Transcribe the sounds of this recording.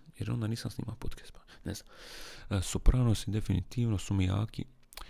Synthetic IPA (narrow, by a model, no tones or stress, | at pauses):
jeɾond̪aniːsamsnḭːmaopot̪ke̥st̪pḁnezam | supɾaːʋnost̪id̪efinit̪iːʋnosumija̰ːkḭ